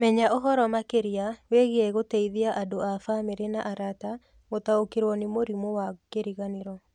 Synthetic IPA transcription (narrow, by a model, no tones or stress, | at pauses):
mɛɲaʔɔɦɔɾɔmakeɾiaweɣeɛɣotɛiðiaʔadoafameɾenaʔaɾata | motaokeɾwɔnemoɾimowakeɾiɣaneɾɔ